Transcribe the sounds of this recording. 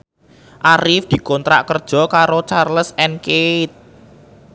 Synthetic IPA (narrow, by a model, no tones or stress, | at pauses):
ʔaɾɪfd̪̥i̤kɔnt̪ɾa̰ʔkərd̥ʒ̥ɔ̤kaɾot͡ʃarləsɛnket̪̚